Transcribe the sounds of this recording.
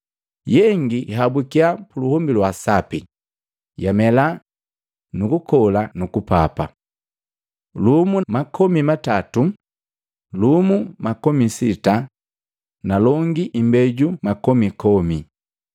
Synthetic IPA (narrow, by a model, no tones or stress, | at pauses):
jɛŋɡiɦabukiapuluhɔmbilwasapi | jamɛla | nukukɔlanukupa̰pa̰ | lumumakɔmimatatu | lumumakɔmisita | nalɔŋɡiʔimbɛɟumakɔmikɔmi